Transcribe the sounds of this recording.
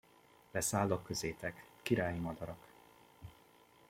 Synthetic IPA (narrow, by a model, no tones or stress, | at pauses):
lɛsaːlːokːøzeːt̪ɛkːiɾaːjimɒd̪ɒɾɒk